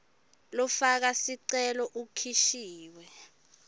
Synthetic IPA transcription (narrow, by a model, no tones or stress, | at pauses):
lɔfak̬asiǀɛlɔʔukʰiʃiːwɛ